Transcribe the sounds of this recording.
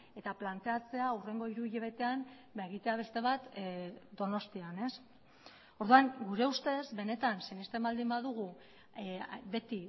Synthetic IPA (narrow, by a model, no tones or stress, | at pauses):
e̞t̪aplant̪e̞at͡se̞aure̞ŋɡo̞iɾuʎeβe̞t̪e̞an | beɣit̪e̞aβ̞e̞st̪e̞β̞at̪d̪o̞no̞st̪iane̞s | o̞ɾðuaŋɡuɾe̞ust̪e̞zβe̞ne̞t̪ansenist̪embald̪imbaðuɣ̞u | be̞t̪i